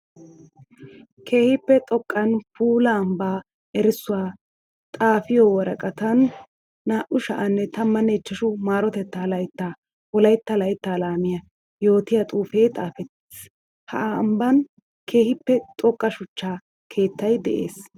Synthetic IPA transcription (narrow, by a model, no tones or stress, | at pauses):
kʰe̞ːhɪpːɛt̪ʼɔkʼːɐnpuːlaːmbaː | ʔɛɾɪsːʊwaː | t̪ʼaːfɪjoːwɔɾɐkʼɐt̪ɐnː | aːʔʊʃɐ̰ʔɐnːɛt̪ɐmːɐnɛt͡ʃːɐʃʊmaːɾɔt̪ɛt̪ːalɐjt̪ːaː | wɔlɐjt̪ːɐlɐjt̪ːaːlaːmɪjɐ | jo̞ːt̪ɪjɐt̪ʼuːfe̞ːt̪ʼaːfɛt̪ː | s | hɐ̰ʔːmbɐn | kʰe̞ːhɪpːɛt̪ʼɔkʼːɐʃʊt͡ʃːaː | kʰe̞ːt̪ːɐjd̪ɛʔe̞̰ːs